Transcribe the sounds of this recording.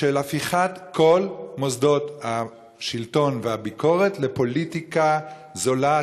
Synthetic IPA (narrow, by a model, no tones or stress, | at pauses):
ʃelafiχatko̞lmo̞zd̪o̞tha | ʃilto̞nvehabiko̞ʁe̞tle̞po̞litika | zo̞la